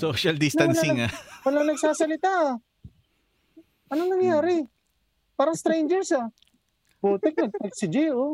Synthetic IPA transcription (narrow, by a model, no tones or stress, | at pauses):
soːʃɐld̪ɪsnɐlsaɪŋawɐlɐŋnɐɡ̚saːsɐlɪt̪aʔ | ʔɐnoŋnɐŋjaːɾɪ | paːɾɐŋst̪ɾɛjnd͡ʒɛɹsa | boːt̪ɛk̚nɐɡ̚t̪ɐɡsɪd͡ʒɪʔo